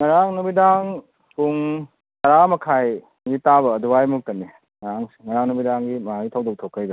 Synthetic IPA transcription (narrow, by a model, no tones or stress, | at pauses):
ŋɐɾaŋnubidaŋ | puŋ | tɐɾamɐkʰaj | ɡitaβɐːduwajmuk̚tɐnːi | ŋɐɾaŋsŋɐɾaŋnubidaŋɡimɐaitʰawdok̚tʰokʰːajdo